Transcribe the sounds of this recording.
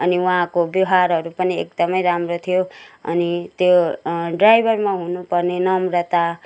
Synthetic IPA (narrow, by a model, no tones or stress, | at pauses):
ʌniwuɦãkobiɦaɾɦʌɾupʌniḛk̚d̪ʌmʌjɾamrot̪ʰijoʌ̰nit̪joɖrajbʱʌrmaɦunupʌrnenʌmɾʌt̪a